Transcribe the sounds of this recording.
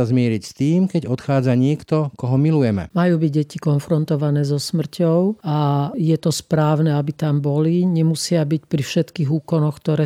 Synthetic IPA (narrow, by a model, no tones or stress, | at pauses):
azmɪɛɾicst̪iːmkɛɟɔt̪xaːd͡zaɲɪɛkt̪ɔkɔɦɔmilujɛmɛ̰majuːbiɟɟɛcikɔnfɾɔnt̪ɔʋanɛːzɔsmr̩cɔʊajɛt̪ɔspɾaːʊnɛabit̪ambɔliɲɛmusɪabicpɾifʃɛt̪kiːɦuːkɔnɔxkt̪ɔɾɛː